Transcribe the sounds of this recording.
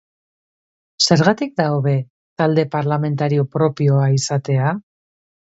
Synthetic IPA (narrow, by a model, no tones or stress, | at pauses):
se̞ɾɣat̪ik̚d̪aoβe̞ | t̪ald̪e̞paɾlame̞nt̪aɾio̞pɾo̞pio̞aisat̪e̞a